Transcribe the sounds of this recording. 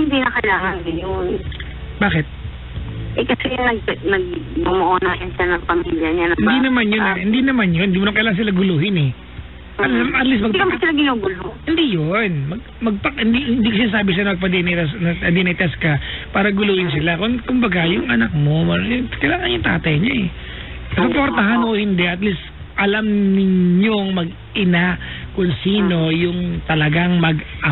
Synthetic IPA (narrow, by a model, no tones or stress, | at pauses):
hɪnd̪inɐkɐɪlaːŋɐnɡɪjon | baːkɪt̪̚ | ʔɛkɐsɛnɐɡ̚nɐɡ̚ːʊmoʔoːnɐjʊnʃanɐŋpɐmiːljɐɲanɐɪnd̪inɐmanjonhɪnd̪inɐmanjonhɪnd̪imomɐkɐjlaːŋɐns̬ɪlaɡʊluːhɪnɛ | ʔɐamʔɐt̪lis̬tmɐɡkɐmasɪlɐɡɪnoːɡʊlohɪnd̪ijonmɐɡ̚ | mɐɡ̚pɐhɪnd̪ihɪnd̪iːkos̬ɪnaːs̬aːbɪsɪlanɐmɐɡ̚pɐd̪ɛnɐt̪ɐsnɐɐd̪ɛnɐjt̪ɐskɐpaːɾɐɡʊluːhɪns̬ɪlakʊnkʊmbɐɡajʊŋɐnɐk̚mo̞mɐɾnɛkɐjlaːŋɐnjʊŋt̪a̰ːt̪ɐjɲaɛ | sopoɾt̪ɐɦanohɪnd̪ɛʔɐt̪list̪ | ʔɐlamnɪɲo̞ŋmɐɡ̚ | ʔɪnakʊŋsiːno̞jʊŋt̪ɐlɐɡaŋmɐɡʔɐ